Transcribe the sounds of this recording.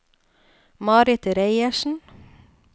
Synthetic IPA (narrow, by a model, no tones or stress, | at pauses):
mɑːɾɪt̪ɾeɪəʃn̩